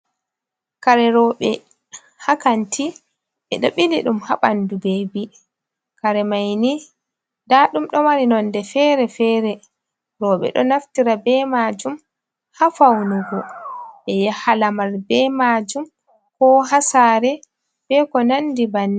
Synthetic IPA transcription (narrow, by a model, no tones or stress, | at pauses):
kaɾɛɾɔɓɛ | hakantʰi | ɓɛɗɔɓiliɗumha̰ɓandubeːbi | kaɾɛmajni | daɗumɗɔmaɾinɔndɛfɛɾɛfɛɾɛ | ɾɔːɓɛ̰ɗɔnaftiɾabɛmad͡ʒum | hafawnuɡɔɓɛjahalamaɾbɛmad͡ʒum | kɔɦasaɾɛ | fɛkɔnandibanːi